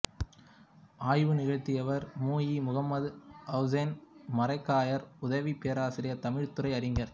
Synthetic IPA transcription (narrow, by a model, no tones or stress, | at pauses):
aːjʋɯnɪɣɐɻt̪ːɪjɐʋɐɾmuːjimʊɣɐmːɐðɐʊzɐnmɐɾɐɪkːaːjɐɾʊðɐʋipeːɾaːsɪɾɪjɐt̪ɐmɪɻt̪ɯɾɐɪɐɾɪŋɡɐɾ